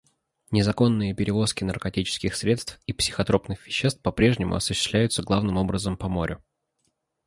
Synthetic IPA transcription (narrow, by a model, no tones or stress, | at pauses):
nʲɪzɐko̞nːɨjəpʲɪɾʲɪvo̞skʲɪnərkɐtʲit͡ɕɪ̥skʲɪxsɾʲe̞t̪st̪fipsʲɪ̥xɐt̪ɾo̞pnɨxvʲɪɕːest̪pɐpɾʲe̞ʐnʲɪmʊ̰ɐsʊ̥ɕːɪst̪lʲæjʊt̪səɡlˠavnɨmo̞bɾəzəmpɐmo̞ɾʲʊ